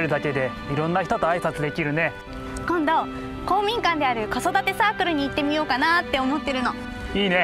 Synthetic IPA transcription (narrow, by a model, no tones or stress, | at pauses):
ɾɯ̟d̪ake̞d̪e̞ | iɾõ̞nːaçʲi̥t̪ot̪oaisat͡sɨd̪e̞kʲiɾɯ̟ne̞ | kõ̞nd̪o̞ | ko̞ːmʲĩŋkãnd̪e̞aɾɯ̟kaso̞d̪at̪e̞saːkɯ̟ɾɯ̟ɲ̟iːt̪ːe̞mʲijo̞ːkanat̪ːe̞omo̞t̪ːeɾɯ̟no̞ | iːne̞